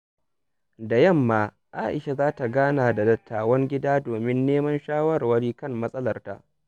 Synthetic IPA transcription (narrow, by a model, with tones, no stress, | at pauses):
da˨jɐ˦˨mːaː˦ | ʔaː˦ʔɪ˨ʃa˨zaː˦ta˨ɡaː˦naː˨da˨dɐ˨˦tʰːaː˨wɐ˦ŋɡʲɪ˦daː˦doː˨mɪ˦nːeː˦mɐ˦nʃaː˦wɐ˦rwɐ˦ɽiː˦kɐ˦mːɐ˦sʼɐ˦lɐ˨rta̰˦˨ʔ